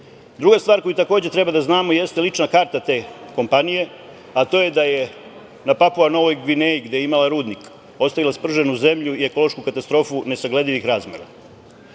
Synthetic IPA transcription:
d̪ɾuɡast̪vaːɾko̞jut̪ako̞ːd͡ʑe̞t̪ɾe̞bad̪aznaːmo̞je̞st̪e̞lit͡ʂnakaːɾt̪at̪e̞ːko̞mpanije̞ | at̪o̞ːjed̪aje̞ | napapuano̞ʋo̞jɡʋineiɡd̪ejeimalaɾuːd̪nik | o̞st̪aʋilaspr̩ʒe̞nuze̞mʎuieko̞lˠo̞ʃkukat̪ast̪ɾo̞ːfune̞saɡle̞d̪iʋixɾaːzmḛɾa̰

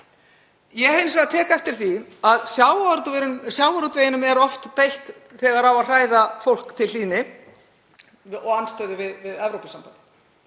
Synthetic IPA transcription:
jɛhejnsvɛɣðat̪ʰɛːkaɛft̪ɪɾ̥θiaðsjawaɾsjawaɾut̪vejɪnʏmɛɾɔft̪pejht̪ | θɛːɣaɾawaðr̥aːjðafowl̥kt̪ʰɪliːnɪ | ɔɣanst̪œðɪvɪðvɪðɛvɾowpɪsampant̪ɪ

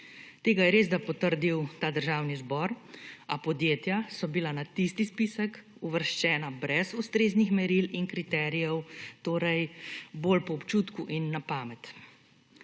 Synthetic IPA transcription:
t̪eːɡajɛɾeːzd̪apɔt̪əɾd̪iwt̪aːd̪əɾʒaːwnizbɔɾapɔd̪jeːt̪jasɔbilanat̪ist̪ispisək | uʋəɾʃt͡ʃɛːnabɾɛsust̪ɾeːznixmɛɾilinkɾit̪ɛːɾijɛwt̪oːɾɛjboːlpɔɔpt͡ʃuːt̪kuʔinːapaːmɛt̪

